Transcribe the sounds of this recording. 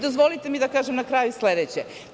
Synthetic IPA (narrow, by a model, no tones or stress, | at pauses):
d̪ozʋo̞lit̪emid̪akaːʒemnakɾaːjusled̪et͡ɕe